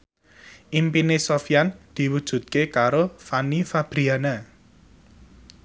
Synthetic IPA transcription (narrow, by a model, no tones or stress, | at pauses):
ʔimpinesofijand̪̥i̤wud̥ʒ̥ṳt̪̚kekaɾofanifab̥ɾiana